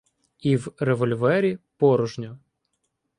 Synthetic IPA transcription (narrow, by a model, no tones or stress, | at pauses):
iwreʋɔlʲʋɛɾʲipɔɾɔʒnʲʊ